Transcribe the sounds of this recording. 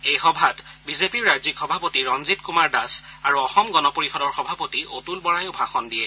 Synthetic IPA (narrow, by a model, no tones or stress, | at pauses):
ejxɔbʱat | bizepiɹːajzikxɔbʱapotiɹɔnzitkumaɹdasaɹuɔxɔmɡɔnɔpoɹixɔdɔɹxɔbʱapotiʔotulbɔɹajobʱaxɔndiɛ